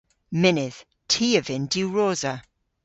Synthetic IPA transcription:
mɪnɪð̥ | tʰiːəvɪ̃nduɹoːzə

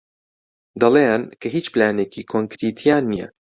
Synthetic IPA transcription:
d̪ɐlˠeːnkʰɐɦiːt͡ʃplaːneːkiːkʰoŋkɾit̪ʰijaːnːijɛ̰

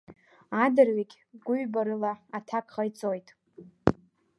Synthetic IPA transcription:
adɨrɥikʲʼ | ɡʷʊɥbaɾɨlaatʰakʰʼχajt͡sʼo̞jtʼ

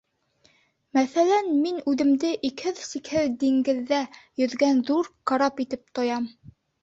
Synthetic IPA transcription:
mæθælænminʉðɘ̆md̪ɘʔikhɘðsikhɘðd̪iŋɡɘ̆ðːæjɵ̆ðɡænðuɾqɑɾɑpit̪ɘp̚t̪ŏjɑm

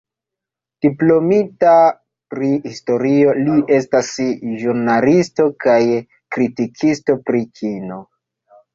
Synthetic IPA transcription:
d̥iplo̞mita | pɾihisto̞ɾio̞lie̞stasʒuɾnalisto̞kaj | kɾitikʰisto̞pɾikʰino̞

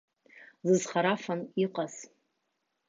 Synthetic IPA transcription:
zɨzχaɾafaniqʼaz̥

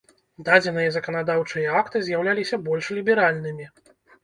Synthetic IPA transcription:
d̪ad͡zʲɛnɨjɐzɐkɐnad̪awt͡ʂɨjɐakt̪ɨzʲjawlʲalʲisʲɐbɔlʲʂlʲibʲɛɾalʲnɨmʲi

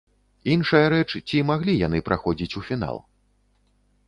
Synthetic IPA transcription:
inʂɐjɐɾɛt͡ʂt͡sʲimaɣlʲijan̪ɨpɾʔaxɔd͡zʲit͡sʲufʲina̰lˠ

